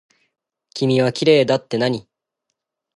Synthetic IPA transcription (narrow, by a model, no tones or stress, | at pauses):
kʲimʲiβakʲiɾe̞ːd̪at̪ːe̞naɲ̟i